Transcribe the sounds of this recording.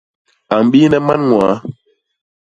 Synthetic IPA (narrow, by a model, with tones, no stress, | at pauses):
a˨m˨bi˦nɛ˦ma˦nŋwa˨˦